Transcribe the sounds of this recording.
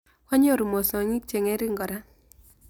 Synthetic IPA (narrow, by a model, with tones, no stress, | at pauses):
wa˦ɲɔ˦˨ɾu˨mo˨sɔ˨ŋi˦k̚t͡ʃe˨ŋɛ˦ɾɪ˦ŋɡɔ˨ɾa˦